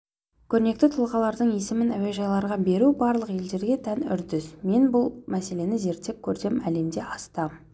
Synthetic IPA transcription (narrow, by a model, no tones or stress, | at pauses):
kʲʰɵɾne̞k̚t̪ɪt̪ʰʊlˠʁɑlˠɑɾd̪əɴje̞sɪmɪnæwe̞ʒɑjlˠɑɾʁɑbe̞ɾubɑɾlˠəqe̞ld̪e̞ɾɡʲe̞t̪ʰænʏ̰ɾd̪ɪzme̞nbʊlˠmæse̞le̞nɪze̞ɾt̪ːe̞k̚ʲʰːɵɾd̪e̞mæle̞md̪e̞ʔɑst̪ɑmn